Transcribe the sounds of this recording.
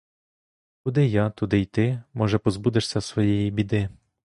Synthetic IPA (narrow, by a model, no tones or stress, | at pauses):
kʊd̪ɪjɑt̪ʊd̪ɪjt̪ɪmɔʒɛpɔzbud̪ɪʃsʲɐsʋɔjɛjibʲid̪ɪ